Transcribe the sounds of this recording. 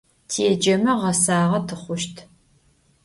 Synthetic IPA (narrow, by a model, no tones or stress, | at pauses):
tʰeːd͡ʒɐmɐʁɐsaːʁɐtʰɨχʷʊʃtʰ